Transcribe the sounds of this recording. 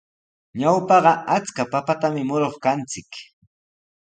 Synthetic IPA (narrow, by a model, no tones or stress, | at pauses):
ɲawpɑɢɑʔat͡skapapat̪amɪmʊɾoχkant͡sɪk